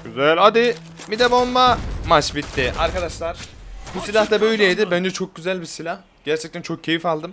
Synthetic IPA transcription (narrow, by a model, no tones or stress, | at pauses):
ɟyzælʲad̪i | mid̪ɛbomːamat͡ʃbit̪ːɪʔa̰ɾkad̪aʃlˠaɾ̥busilʲaht̪abø̞jlʲɛid̪ɪbænd͡ʒɛt͡ʃʰo̞k̚ɟyzælʲbisilʲah | ɟ̥æɾt͡ʃʰɛc̚t̪ʰænt͡ʃʰo̞k̚cʰːe̞jifalˠd̪ɯm